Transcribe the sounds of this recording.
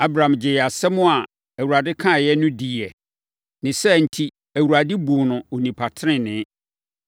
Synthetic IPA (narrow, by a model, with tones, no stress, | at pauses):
a˦bɾã˨md͡ʑɪ˨jɛ˨a˨sɛ˦mʊ̃˦a˨ | æ˨wu˨a˨dɪ˦kʰã˦˨jɛ˦nʊ̃˦di˨ɛ˨ | nɪ̃˨sɛ˦˨n̩˨tʰi˦ | æ˨wu˨ɾa˨dɪ˦bu˨nʊ̃˨o˨nĩ˨pʰa˨tʰɪ˦ɪ̃˦nɪ̃˨˦